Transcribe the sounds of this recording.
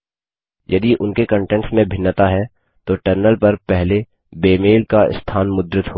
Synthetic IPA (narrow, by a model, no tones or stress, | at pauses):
jɐd̪iʔʊnkekə̃ɳʈɛ̃ɳʈsmẽbʱɪnːət̪aɦɛ | t̪oʈəɾnəlpɐɾpɛɦle | beːmeːlkaɪ̰st̪ʰaːnmʊd̪ɾɪt̪ɦoː